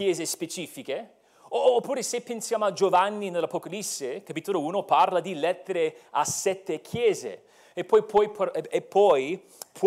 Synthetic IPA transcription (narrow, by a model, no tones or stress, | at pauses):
ɛːzespet͡ʃiːfike | oːpːuːɾesepːensjaːmoʊad͡ʒovanːinelːapokalisːekapit̪ːolouːnoparlad̪ilɛt̪ːeɾeasɛt̪ːekʰjɛːzḛ | epːɔjpʰɔjpʰepʰːɔj | pʰ